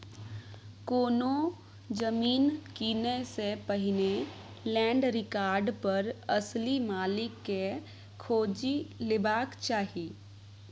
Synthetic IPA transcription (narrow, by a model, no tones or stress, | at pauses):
koːno | d͡ʒəmiːnkiːnesepəɦɪne | lɛ̃ːɳɖɾɪkaːɾɖpɐɾəslimaːlɪkːe | kʰoːd͡ʒilɪbaːkt͡ʃaːɦiː